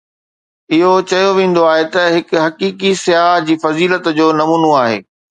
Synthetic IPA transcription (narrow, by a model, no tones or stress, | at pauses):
ɪɦot͡ɕɐjoʋẽːn̆d̪oaːɦet̪ɐɦɪkʊɦɐkiːkisɪjaːɦd͡ʑiːfɐziːlət̪d͡ʑoːnɐmuːnoaːɦḛː